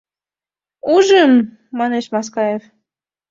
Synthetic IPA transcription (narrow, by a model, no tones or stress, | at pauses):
uʒəmː | ɑneʃmɑs̬kɑjef